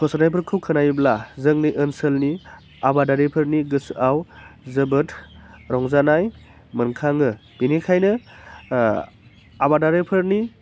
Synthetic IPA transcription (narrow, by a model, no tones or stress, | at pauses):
kʰɔsanajpʰɯɾkʰɯwkʰɯnajblazɯŋniʔɯnsəlni | abadaɾepʰɯɾniɡɯsawzɯbɯtʰɾɔŋzanaj | mɯnkʰaŋɯb̥inikʰajnɯ | abadaɾepʰɯɾni